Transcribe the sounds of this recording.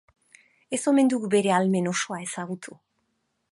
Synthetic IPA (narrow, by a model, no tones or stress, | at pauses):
e̞so̞me̞nd̪uɣube̞ɾe̞alme̞no̞ʃo̞ae̞saɣut̪ʰu